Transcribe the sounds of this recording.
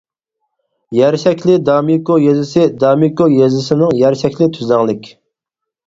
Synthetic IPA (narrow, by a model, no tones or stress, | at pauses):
jæɾʃɛkʲlɪd̪ɑmikojezɪsɪd̪ɑmikojezɪsɪnɪŋjæɾʃɛkʲlɪt̪ʰyzæŋlˠɪkʲ